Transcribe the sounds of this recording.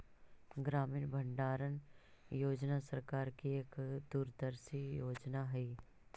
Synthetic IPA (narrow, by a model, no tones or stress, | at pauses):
ɡɾaːmiːnbʱə̃ɳɖaːɾən | joːd͡ʒnasəɾkaːɾkieːkd̪uːɾd̪əɾsijoːd͡ʒnaɦɛiː